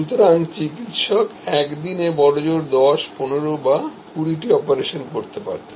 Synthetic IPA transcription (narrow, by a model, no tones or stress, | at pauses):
ut̪oɾant͡ɕikit̪ʃɔkɛkd̪inebɔɾod͡ʑoɾd̪ɔʃponeɾoba | kuɾiʈiɔpeɾeʃonkoɾt̪epa̰ɾt̪e̥